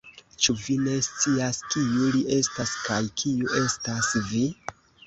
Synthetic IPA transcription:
t͡ʃuvine̞st͡siaskijuliʔe̞staskajkʰiuʔe̞stasvi

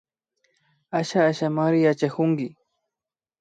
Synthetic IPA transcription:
aʃaːʃamaɾɪjat͡ʃakʊŋɡɪ

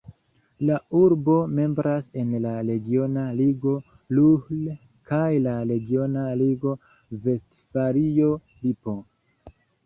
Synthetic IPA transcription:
lauɾbo̞me̞mbɾase̞nlaɾe̞ɡio̞naliɡo̞ | luhl | kajlaɾe̞ɡio̞naliɡo̞ | ve̞st | faɾijo | lipo

